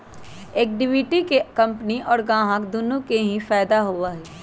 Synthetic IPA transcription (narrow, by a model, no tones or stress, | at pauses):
eːk̚ɖɪʋiːʈikekɐ̃mpniʔɔːɾɡãːɦãkd̪ʊnũkeɦĩfaːd̪aɦuaɦɛː